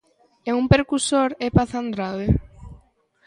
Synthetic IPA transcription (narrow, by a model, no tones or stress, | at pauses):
ɛumpeɾkusoɾepaθand̪ɾaðe